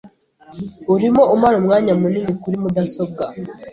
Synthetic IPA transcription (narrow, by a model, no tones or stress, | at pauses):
uɾimoʔumaɾomŋaːɲamuninikuɾimudasob̚ɡa